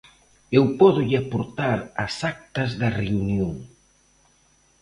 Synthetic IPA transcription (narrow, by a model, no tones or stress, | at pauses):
ewpɔðʊʎɪapoɾt̪aɾɐsak̚t̪ɐzðɐreunjoŋ